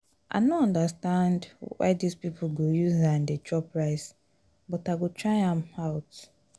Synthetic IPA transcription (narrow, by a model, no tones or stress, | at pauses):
ʔa̰ɪnoɔ̃ndəstãndwa̰ɪdispipʰl̩ɡojuzãndet͡ʃʰɔpɹaɪs | bɔtaɡotʰɹaɪãmaʊt